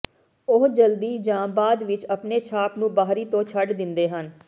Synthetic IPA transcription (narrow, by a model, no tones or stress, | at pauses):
ʊɦd͡ʒəld̪iːd͡ʒaːmbaːd̪ʋɪt͡ʃəpneːt͡ʃʰaːpnũːbaːɦɾiːt̪õːt͡ʃʰəɖd̪ɪnd̪eːɦən